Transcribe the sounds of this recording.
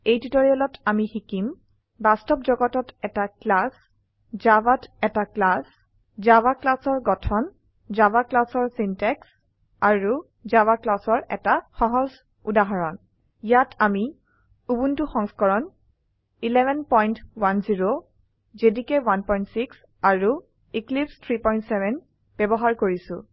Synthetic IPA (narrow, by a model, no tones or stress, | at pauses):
ejtitɔɹiɔlɔtamixikim | bastɔpd͡ʒɔɡɔtɔtɛtaklas | d͡ʒabatɛtaklas | zabaklasɔɹɡɔtʰɔn | zabaklasɔɹsintɛks | aɹu | zabaklasɔɹɛ̰taxɔɦɔz | udaɦɔɹɔn | jatʰami | ubuntuxɔŋskɔɹɔn | ilɛbʱɛnpɔjntwanziɹo | zedikɛwanpɔjntsiks | aɹu | iklipstʰɹipɔjntsɛbʱɛn | b̥ɛbɔɦaɹkoɹisʊ̰̃